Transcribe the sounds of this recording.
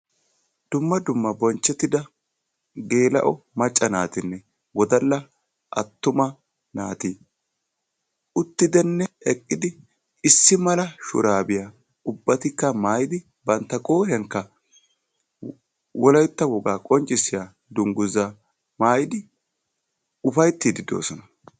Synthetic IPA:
d̪̥ʊmːɐd̪ʊmːɐbɔnt͡ʃːɛt̪ːɪd̪ɐ | ɡe̞ːlɐ̰ʔɔmɐt͡ʃʼːɐnaːt̪ɪnːɛ | ɡɔd̪ɐlːɐ | ʔɐ̰t̪ːʊmɐ | na̰ːt̪iː | ʔʊt̪ːɪd̪ɛnːɛɛkʼːɪd̪ɪ | ɪsːɪmɐlɐʃʊ̰ɾaːbɪja | ʊbːɐt̪ɪkːɐmaːjd̪ɪ | bɐnt̪ːɐkʼo̞ːɾɪɐŋkːɐ | wɔlɐjt̪ːɐwɔɡaːkʼɔnt͡ʃʼːɪsːɪja | d̪ʊŋɡʊza | maːjɪd̪ɪ | ʊfɐjt̪ːiːd̪ɪd̪o̰ːsɔnɐ

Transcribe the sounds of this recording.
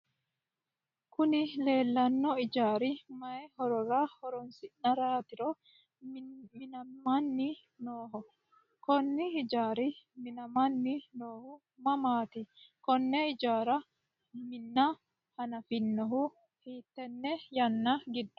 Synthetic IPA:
kʊnɪle̞ːlːɐnːɔɪd͡ʒaːɾɪmɐɛhɔɾɔɾahɔɾɔnsɪnnɐɾaːt̪ɪɾɔ | mɪnɐmɐnːi | noːɦɔ | kɔnːiɪd͡ʒaːɾimɪnɐmɐnːinoːhʊ | mɐmaːt̪ɪkɔnːɛɪd͡ʒaːɾɐ | mɪnːa | hɐnɐfɪnːɔɦu | hiːt̪ːɛnːɛjɐnːɐɡɪd̪ːʊ̥

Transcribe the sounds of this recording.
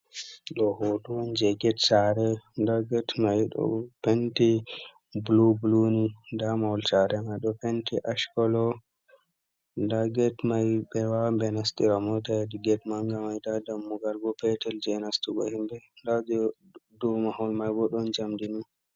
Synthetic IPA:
ɗɔhotuwɔnd͡ʒɛɡɛtsaɾɛndaɡɛtmajɗɔ̰penti | blublunidamawlsaɾɛmajɗɔpentiʔaʃkɔlɔ | ndaɡɛtmajɓɛwambɛnastiɾamɔtadiɡɛtmaŋɡamajdadamːuɡaɾɡɔpɛtɛld͡ʒɛnastuɡɔ̰himbɛndad͡ʒɔ | dumahɔnmajbɔɗɔnd͡ʒamdinu

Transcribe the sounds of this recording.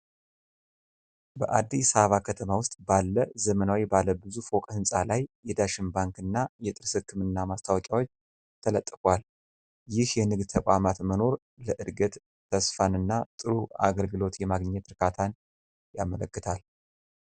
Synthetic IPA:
bə̰ʔad̪ːisaβəβakʰət̪ʰəmawʊst̪ʼbalːəzəmənawibalːəbɨzufokʼhɨnsʼalajːɛd̪aʃɨmbaŋkɨnːajɛt̪ʼɨɾsɨkːɨmɨnːamast̪ʰawɔkʼawo̞t͡ʃː | t̪ʰələt̪ʼːɨkwal | jɪhjɛnɨɡd̪t̪ʰəkʷʼamat̪məno̞ɾ | ləʔɨd̪ɡət̪ | t̪ʰːəsfanɨnːat̪ʼɨɾua̰ɡəlɡɨlo̞t̪jɛmaɡɲːɛt̪ɾɨkʰat̪ʰan | jamələkːɨt̪ʰal

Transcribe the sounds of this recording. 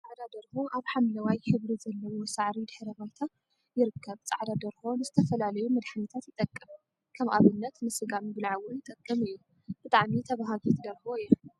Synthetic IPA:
t͡sʼaʕd̪ad̪ɐɾhoʔaβħamlɐwajħɨβɾizɐlːɐwosaʕɾid̪ɨħɨɾɐβajt̪ʰa | jɪɾɨkʰːɐβt͡sʼaʕd̪ad̪ɐɾhonɨzɨt̪ʰɐfɐlalɐjumɐd̪ħanɐt̪ʰat̪jɪt̪ʼɐkʼːɐm | kʰɐmʔaβɨnːɐt̪nɨsɨɡamɨbɨlʕawʊnjɪt̪ʼɐkʼːɐmɨjːu | b̥ɨt̪ʼaʕmit̪ʰɐβaɦaɡot̪d̪ɐɾhoj

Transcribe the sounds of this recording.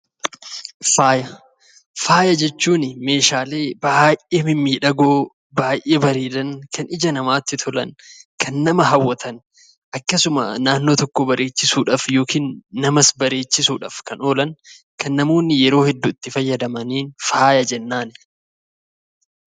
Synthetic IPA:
faːjɐ | faːjɐd͡ʒɛt͡ʃːuːnɪme̞ːʃaːle̞ːbaːjʔʔeːmɪmːiːᶑɐɡoː | baːjʔeːbɐɾeːlɐnkʰɐnʔɪd͡ʒɐnɐmaːt̪ːɪt̪ʰɔlɐ̰nkʰɐnːɐmɐɦɐwːɐt̪ʰɐn | ʔɐkːɐsʊmɐ̰naːnːoːt̪ɔkːobɐɾʔe̞ːt͡ʃːɪsuːᶑaːfjo̞ːkʰiːnːɐmɐsbɐɾe̞ːt͡ʃːɪsuːᶑa̰fkɐno̞ːlɐn | kɐnːɐmoːnːɪjɛɾo̞ːhɛd̪ːuɪt̪ːɪfɐjːɐd̪ɐmɐniːnfaːjɐd͡ʒɛnːaːn

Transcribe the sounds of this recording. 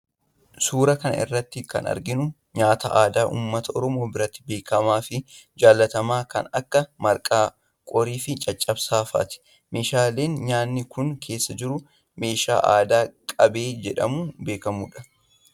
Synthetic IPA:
suːɾɐkɐnɐ̰ʔɪ̰rːɐt̪ːɪkɐ̰nɐ̰ɾɡɪnʊ | ɲaːt̪ɐ̰ʔaːd̪aːʔṵːmːɐt̪ɐʔɔɾɔmo̞ːbɪɾɐt̪ːɪ̥be̞ːkɐmaːfɪd͡ʒaːlːɐt̪ɐmaːkɐ̰nɐkːɐmɐɾkʼaː | kʼɔɾiːfɪt͡ʃʼɐt͡ʃʼːɐbsaːfa̰ːt̪ɪ̥ | me̞ːʃaːle̞ːnɲaːnːɪkʊnkʰe̞ːsːɐd͡ʒɪɾʊ | me̞ːʃa̰ːʔa̰ːd̪aːkʼɐbe̞ːd͡ʒɛᶑɐ̰muːbe̞ːkɐmṵːᶑɐ̥

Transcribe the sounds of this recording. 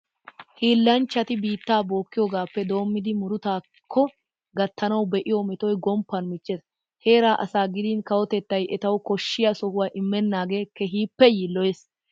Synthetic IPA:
hiːlːɐnt͡ʃːɐt̪ɪbiːt̪ːaːbo̞ːkːɪjoːɡaːpːɛd̪o̞ːmːɪd̪ɪmʊɾʊt̪aː | kʰːɔ | ɡɐt̪ːɐnɐwbɛʔɪjɔmɛt̪ɔjɡɔmpːɐnmɪt͡ʃːeːs | he̞ːɾaːʔɐsaːɡɪd̪iːnkɐwɔt̪ɛt̪ːɐjɛt̪ɐwʊkɔʃːɪjɐsɔhʊwaːʔɪmːɛnːaːɡe̞ːkːɛɦiːpːɛjiːlːɔjes

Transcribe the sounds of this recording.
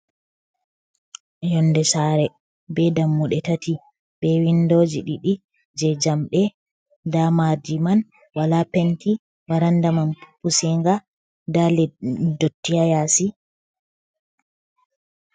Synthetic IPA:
jɔnːdɛsaɾɛ | bɛdamːuɗɛtati | bɛwindod͡ʒiɗiɗi | d͡ʒɛd͡ʒamɗɛ | damadiman | walapɛnti | waɾandamanpu̥pːusiŋɡa | dalɛdotːijajaːsi

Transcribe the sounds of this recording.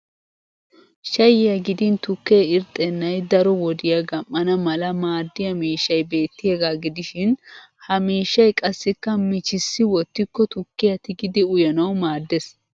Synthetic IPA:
ʃɐjɪjɐɡɪd̪ɪnt̪ʊkːeːɪɾt̪ʼɛnːɐjd̪ɐɾɔwɔd̪ɪjɐɡɐmːɐnɐmɐlɐmaːd̪ːɪjɐmiːʃːɐjbe̞ːt̪ːɪjeːɡaːɡɪd̪ɪʃɪn | hɐmiːʃːɐjkʼɐsːɪkːɐmɪt͡ʃɪsːɪwɔt̪ːɪkːɔt̪ʊkːɪjɐt̪ɪɡɪd̪ɪʊjɐnɐwmaːd̪ːɛs

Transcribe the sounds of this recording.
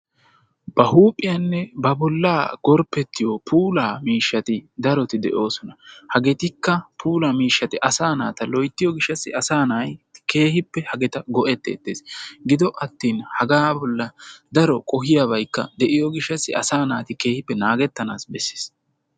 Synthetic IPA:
b̥ɐhuːpʼːɪjɐnːɛbɐbɔlːaːɡ̥ɔɾpːɛt̪ːɪjɔpʰuːlaːmiːʃːɐt̪ɪd̪ɐɾɔt̪ɪd̪ɛʔo̞ːsɔnɐhɐɡɛt̪ɪkːɐpʰuːlaːmiːʃːɐt̪ɪʔɐsaːnaːt̪ɐlɔjt̪ːɪjɔɡɪʃːɐsːɪ̰ɐsaːnaːjke̞ːhɪpːɛhɐɡɛt̪ɐɡɔʔɛt̪ːḛːt̪ːḛːsɡɪd̪ɔʔɐt̪ːiːnhɐɡaːbɔlːɐd̪ɐɾɔkʼɔhɪjaβɐjkːɐ̰d̪ɛʔɪjɔɡɪʃːɐsːɪɐ̰saːnaːt̪ɪke̞ːhɪpːɛnaːɡɛt̪ːɐna̰ːsbɛsːe̥ːs

